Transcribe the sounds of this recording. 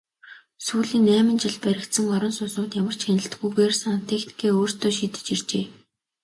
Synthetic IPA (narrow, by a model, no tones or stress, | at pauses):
suːɮiːnːæːmɘ̆nt͡ɕɪ̆ɮpæɾʲɪ̆kt̪sə̆ŋɔɾɞ̆nsʊnsʊːt̪jamə̆r̥t͡ɕxænʲɪ̆ɬt̪ɡujɣeːrsant̪ʰexni̥kʰeːoːr̥t̪ʰoːʃiːt̪ɘ̥̆t͡ɕir̥t͡ɕeː